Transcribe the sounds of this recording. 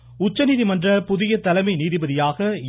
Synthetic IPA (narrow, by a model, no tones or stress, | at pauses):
ʊt͡ʃːɐniðimɐndrɐpʊðɪjɐt̪ːɐlɐmɐɪniːðɪbɐðɪjaːɣɐ